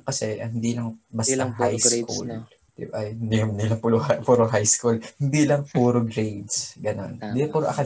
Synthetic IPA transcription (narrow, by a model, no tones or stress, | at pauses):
kɐsɛʔɐhɪnd̪iːlɐŋbɐst̪ɐɦajskʰṵl | d̪ɪ̰bʔɐjhɪnd̪ihɐnilɐŋpulapuːɾoɦajskulhɪnd̪iːlɐŋpuːɾoɡɾejd̪sɡɐno̞̰nɪd̪iːlɐŋpuːɾoʔɐ̰kɐ